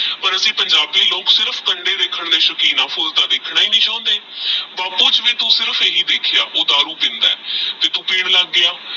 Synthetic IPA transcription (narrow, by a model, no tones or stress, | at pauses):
pəɾəsĩːpəɲd͡ʒaːbiːloːksɪɾəfʰkəɳɖeːɾeːkʰːəɳd̪eːʃəkiːnãːpʰoːzt̪aːd̪eːkʰɽaːiːnĩːt͡ʃãːʊ̃nd̪eːbaːpuːt͡ʃʋiːt̪ũːsɪɾəfeːɦiːd̪eːkʰɪjaːʔoːd̪aːɾuːp̪ɪ̃nd̪aːɛːt̪eːt̪ũːpeːɽ̃laɡːɪjaː